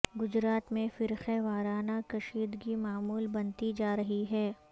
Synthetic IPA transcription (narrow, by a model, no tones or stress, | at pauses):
ɡʊd͡ʒɾaːt̪mẽfɪɾxeʋaːɾaːnakɐʃiːd̪ɡimaːmuːlbɐnt̪id͡ʒaːɾɐɦiɦɛː